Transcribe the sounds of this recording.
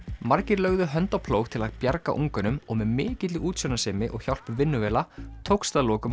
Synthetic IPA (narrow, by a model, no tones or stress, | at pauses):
maɾcɪɾlœɣðʏɦœnt̪awpʰloːwxt̪ʰɪlaðpjaɾka̰ʔuŋkʏnʏmɔɣmɛðmɪːcɪt̪lɪuːt̪sœnasɛːmɪʔɔ̰ɣçjawl̥pʏɾvɪnːʏvɛːlat̪ʰowkst̪aðloːkʏm